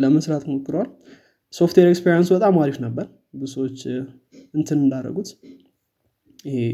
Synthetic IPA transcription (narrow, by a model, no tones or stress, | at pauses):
ləməsɾat̪mokːɨɾwal | so̞ft̪weɾekspʰeɾijansubət̪ʼamaɾifnəbːəɾ | bɨsəwot͡ʃː | ɨnt̪ʰɨnɨnd̪aɾːə̰ɡut̪ | jɪe